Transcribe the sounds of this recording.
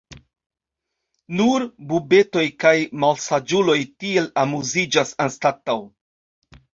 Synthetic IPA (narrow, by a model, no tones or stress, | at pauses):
nuɾbube̞to̞jkajmalsad͡ʒulo̞jtie̞lamuzid͡ʒasanstataw